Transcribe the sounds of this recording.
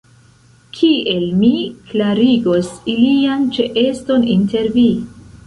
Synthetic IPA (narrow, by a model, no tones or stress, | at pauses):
kʰie̞lmiklaɾiɡosiliant͡ʃeʔesto̞ninte̞ɾvi